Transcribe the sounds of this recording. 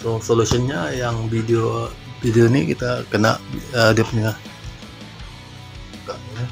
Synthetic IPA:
sosolusiɔnɲajaŋbideobideonḭkit̪akəna̰ʔədəp̚nia | kaina

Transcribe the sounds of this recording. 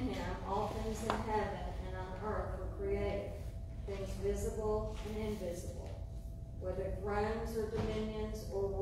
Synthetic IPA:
ɪ̃mɔlˠθɪ̃ŋzɨ̃nɦɛvɨ̃nɨ̃ñnəʔɑ˞tfə˞kʰɹ̥ieɪɾɪ̰̃ | θɪ̃ŋzvɪzəbl̩ˠɨ̃nɪ̃ɱvɪzəbl̩ˠ | wɛðə˞ɡɹãnzə˞dɨmɪ̃njɨ̃nzə˞w

